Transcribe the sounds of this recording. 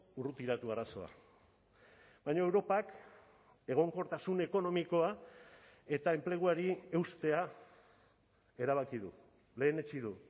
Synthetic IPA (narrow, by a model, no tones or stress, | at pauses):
urut̪iɾat̪uaɾaso̞̰a̰ | bajɲoe̞wɾo̞pak | e̞ɣ̞o̞ŋko̞ɾt̪asune̞ko̞no̞miko̞a | e̞t̪aemple̞ɣ̞uaɾie̞wst̪e̞a | e̞ɾaβ̞akiðṵ | le̞ːnet͡ʃiðu